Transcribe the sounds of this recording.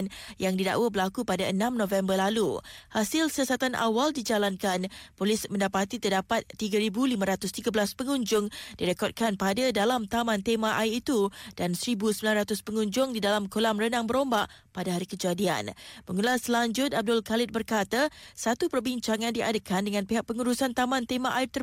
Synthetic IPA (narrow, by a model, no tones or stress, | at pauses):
njaŋdida̰ʔwəbərlakupadaənãmnõfɛmbərlaluhasɪlsjasat̪anʔa̰waldid͡ʒalankanpolɪsmə̃ndapat̪it̪ərdapat̪ːiɡaɾibulimãɾat̪ʊst̪iɡabəlaspəŋuɲd͡ʒʊŋd̥iɾekɔt̚kanpadadalamt̪amant̪emãʔaiit̪ud̥ansəɾibusəmbilanɾat̪ʊspəŋũɲd͡ʒʊŋdidalamkolamrənaŋbəɾombaʔ | padaɦaɾikəd͡ʒadia̰nməŋulaslaɲd͡ʒʊt̪̚ab̚dʊlkalɪt̪̚bərkat̪asat̪upərbiɲt͡ʃaŋãndiadəkʰandəŋãnpiɦaʔ̚pəŋuɾusant̪amãnt̪emaʔaɪrt̪ə